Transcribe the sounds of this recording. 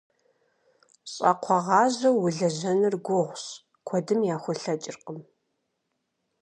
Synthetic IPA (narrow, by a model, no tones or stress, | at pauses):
ɕʼɐ̰qʷʰɔʁɑːʑɐwːʊɮɐʑɐnɨrɡʷʊʁʷɕ | kʷʰɔdɨmjaːxʷɔɬɐt͡ʃʼɪrqʼəm